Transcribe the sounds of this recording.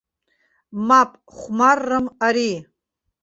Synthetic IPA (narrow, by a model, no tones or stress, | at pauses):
mapʼ | χʷmarːɨmaɾi